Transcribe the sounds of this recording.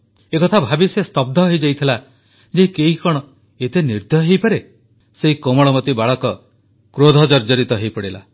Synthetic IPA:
ekɔt̪ʰabʱabisest̪ɔb̚d̪ʱɔɦojd͡ʒajt̪ʰila | d͡ʒeikeɦikɔɽ̃ɔ | et̪eniɾd̪ʱɔɦejpaɾe | seɦikomɔɭɔmɔt̪ibaɭɔkɔ | kɾod̪ʱɔd͡ʒɔɾd͡ʒɔɾit̪ɔɦejpɔɽila̰

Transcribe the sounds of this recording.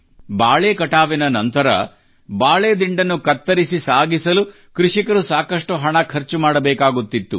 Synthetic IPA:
baːɭeːkɐʈaːʋinɐnɐnt̪ɐɾɐ̰ | baːɭeːd̪iɳɖɐnːukɐt̪ːɐɾisisaːɡisɐlu | kɾuʂikɐɾusaːkɐʂʈuɦɐɳɐkʰɐɾt͡ʃumaːɽɐbɛːkaːɡut̪ːit̪ːu

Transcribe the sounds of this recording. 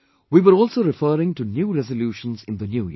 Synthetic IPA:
ʋiːʋəɾɔːlsoːɾɪfəːɾɪ̃ŋʈunjuːɾɛzəljuːʃə̃nzɪ̃nd̪ənjuːjḭ

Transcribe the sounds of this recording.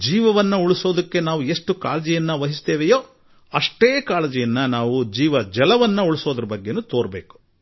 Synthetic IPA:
d͡ʒiːʋɐʋɐnːɐuɭiso̞ːd̪ɐkːe̞naːʋue̞ʂʈukaːlɐd͡ʒɛjɐnːɐʋɐɦist̪eːʋejoː | ɐʂʈeːkaːlɐd͡ʒɛjɐnːɐnaːʋud͡ʒiːʋɐd͡ʒɛlɐʋɐnːɐuɭiso̞ːd̪ɐɾɐbɐɡːe̞nut̪oːɾbeːku̥

